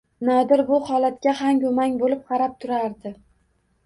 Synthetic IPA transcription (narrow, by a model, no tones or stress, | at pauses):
nɒd̪ɪɾbʊhɒlat̪̚kʲahaŋkomaŋʲbolɪp̚qʰɑɾap̚t̪ʰʊɾaɾd̪ɪ